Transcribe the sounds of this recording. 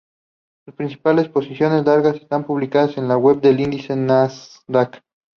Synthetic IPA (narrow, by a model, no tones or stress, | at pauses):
suspɾinsi̥pale̞spo̞sisjo̞ne̞zlaɾɣase̞̥st̪ampuβlikaðase̞nlawe̞βd̪e̞lind̪ise̞nas | d̪ak